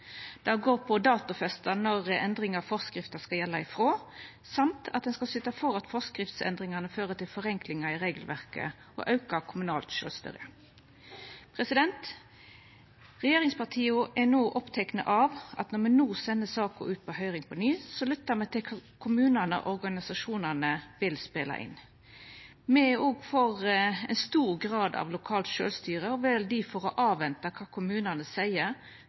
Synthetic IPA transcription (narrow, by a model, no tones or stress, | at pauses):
d̪̥ɑɡoːʁpʰɔd̪ɑːt̪ʊfɛst̪ɑnɔʁɛnd̪ʁɪŋɑʁfɔʁskɾɪft̪ɑskɑjɛlːɑɪfʁoː | sɑmt̪ʰɑt̪̚d̪ɛnskɑsʏt̪ːɑfɔɾɑt̪fɔʁskɾɪft̪sɛ̰nd̪ʁɪŋɑnəføːʁət̪ʰɪlfɔʁɛŋklɪŋɑɪʁeːɡəlʋæʁkə̰ | ʔɔ̰ʔɑʉkɑkʰʊmʉnɑːlt̪ʃø̰ːst̪œ̰ɾə | pʰʁɛsɪd̪ɛnt̪ | ʁɛjeːʁɪŋspɑʁt̪ʰiːʊʔɛnoːʔɔpt̪ʰɛknə̰ʔɑʋʔɑ̰t̪nɔɾmɛnuːsɛnːəsɑːkə̰ʉːt̪̚pʰɔhœʏʁɪŋpʰɔnyːsɔlʏt̪ːəmɛt̪ʰɪkʰkʰʊmʉːnənə̰ʔɔɾɡɑnɪsɑʂuːnɑnəʋɪlspeːlɑ̰ʔɪ̰n | mɛoːɡfɔʁɛɪnst̪uːʁɡʁɑːd̪ɑ̰ʋlʊkʰɑːlt̪ʃø̰ːlst̪yːɾəɔʋɛld̪ɪfɔɾɔʔɑːʋɛnt̪ɑkʰɑːkʰʊmʉːnɑnəsæɪəɾ